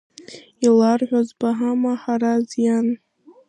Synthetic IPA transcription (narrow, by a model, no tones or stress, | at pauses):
ilarʕᶣʷazbaɦamaħaɾazjan